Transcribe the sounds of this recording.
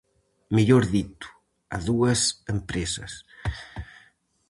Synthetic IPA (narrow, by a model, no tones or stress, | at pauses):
miʎoɾðit̪u̥ | a̰ðuɐsempɾesɐ̰s